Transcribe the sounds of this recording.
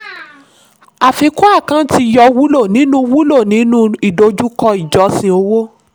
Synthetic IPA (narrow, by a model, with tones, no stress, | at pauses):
a˨fi˧˦ku˦a˦˨kã˨˦ti˧jɔ˧wu˦lo˦˨nĩ˨˦nũ˦wu˦lo˦˨nĩ˨˦nũ˦i˨do˧˦d͡ʒu˦kɔ˧i˨d͡ʒɔ˨˧˦sĩ˧o˧wo˦